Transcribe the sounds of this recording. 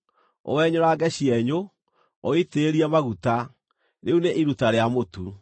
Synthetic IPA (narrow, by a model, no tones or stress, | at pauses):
o̰wɛɲoɾaːɡɛɕiɛɲo | ɔiteːɾiamaɣuta | ɾeuneʔiɾutaɾeamotu